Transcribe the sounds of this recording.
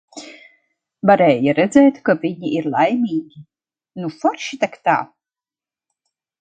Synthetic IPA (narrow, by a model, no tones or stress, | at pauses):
vaɾɛːjaɾɛd̪zɛːt̪kaviɲiʔiɾlˠajmʲiːɡʲi | nufɔɾʃit̪akt̪a̰ː